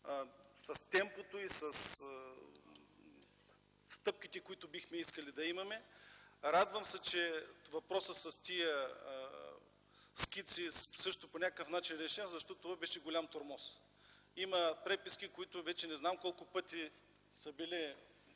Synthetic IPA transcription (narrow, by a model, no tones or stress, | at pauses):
sɐst̪ɛmpot̪oisɐs | st̪ɤp̚kʲit̪ɛkoit̪ʊbixmɛiskɐlid̪ɐimɐmɛɾad̪vəmsɛt͡ʃɛvɐpɾɔsəsɐst̪ijə | skʲit̪sisɤʃt̪ʊponʲakəkəfnat͡ʃinɾɛʃɛnʲəzɐʃt̪ɔtt̪ovabɛʃɛɡolʲamt̪oɾmɔs | imɐpɾɛpisk̟ikoit̪ʊvɛt͡ʃɛnɛznamkɔlˠkʊpɤt̪i | sɐbili